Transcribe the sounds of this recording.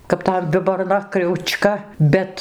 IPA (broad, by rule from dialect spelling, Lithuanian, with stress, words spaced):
kɐp ˈtɐm ʋʲɪboːrˈnɐ krʲɛʊˈt͡ʃkɐ ˈbʲɛt